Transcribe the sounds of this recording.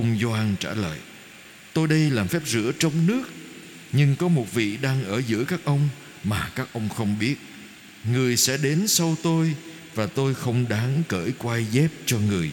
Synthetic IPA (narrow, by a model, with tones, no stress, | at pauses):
ə˧ŋ͡mzɔ˧ʔaː˧nt͡ɕaː˧˩lə̰ː˧˨j | t̪o˧jɗə˧jlaː˨˩mfɛ˦˥p̚zɨ̰˧˥ət͡ɕɔ˧wŋ͡mnɨ˦˥ək̚ | ɲɨ˧ŋkɔ˨˦mo˨˩t̚vḭ˧˨ɗaː˧ŋʔəː˧˩zɨ̰˧˥jkaː˦˥k̚ʔə˧wŋ͡m | maː˨˩kaː˦˥k̚ʔə˧wŋ͡mxə˧wŋ͡mɓi˦˥ət̚ | ŋɨ˨˩əjsɛ̰˧˥ɗe˨˦nsə˧wt̪o˧j | vaː˨˩t̪o˧jxə˧wŋ͡mɗaː˨˦ŋkə̰ː˧˩jkwa˧jzɛ˦˥p̚t͡ɕɔ˧ŋɨ˨˩əj